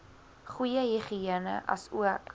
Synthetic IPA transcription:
χwujəɦiχiiənə̰ʔɐ̰suək

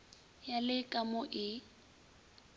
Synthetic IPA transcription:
jalɪkʼamʊʔɪ

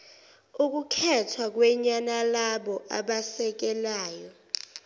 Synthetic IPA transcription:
uk̬ukʰɛtʰwak̬wɛɲanalaɓɔʔa̰ɓasɛk̬ɛlaːjɔ

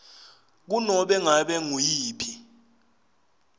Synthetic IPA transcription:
k̬unɔɓɛŋaɓɛŋujiːpʰi

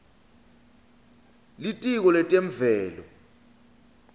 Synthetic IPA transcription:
litʼik̬ɔlɛtʼeɱvɛːlɔ̰

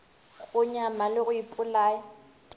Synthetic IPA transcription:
ɣʊɲamalɪɣʊipʼʊlaːjɔ

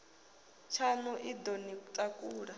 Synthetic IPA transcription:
t͡ʃʰanuʔid̪onitʼakʼuːɺa

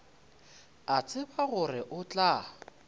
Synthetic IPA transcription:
at͡sʰʼɪbaɣʊrɪʔʊt͡ɬʼa

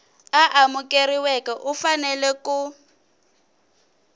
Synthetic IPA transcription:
aʔamʊkʼeriwɛkɛʔʊfanɛlɛkʊ

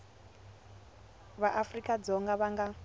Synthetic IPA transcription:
βaʔafrikʼad͡zɔŋɡaβaŋɡa

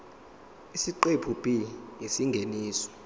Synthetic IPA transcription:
isiǃepʰub̥ʱijesiŋɡʱeniːsɔ̥

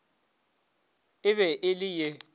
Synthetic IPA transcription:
ɪβɛʔɪlɪjɛ

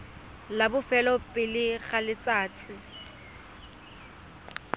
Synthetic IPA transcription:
labʊfɛlɔpʼɪlɪɣalɪt͡sʼaːt͡sʼɪ

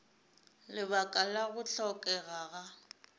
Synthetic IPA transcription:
lɪβakʼalaɣʊt͡ɬɔkʼɛɣaɣa

